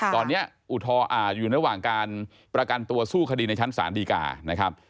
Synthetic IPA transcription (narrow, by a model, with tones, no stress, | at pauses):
t̪ɔː˧nːi˦˥ɐ | ʔu˨˩t̪ʰɔː˧ʔaː˨˩juː˨˩na˧ɾa˧waː˨˩ŋkaː˧n | pɾa˧ka˧nt̪u˧ɐsuː˥˩kʰa˧diː˧na˧jt͡ɕʰa˦˥nsa̰ː˩˦ndiː˧ka̰ː˨˩na˦˥kʰa˦˥p̚